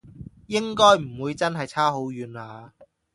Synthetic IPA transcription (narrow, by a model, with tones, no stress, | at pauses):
jɪ˥ŋkɔː˥jm̩˨˩wuː˨˧jt͡sɐ˥nɦɐ˨jt͡sʰaː˥ɦo˨˥wjyː˨˩naː˨˧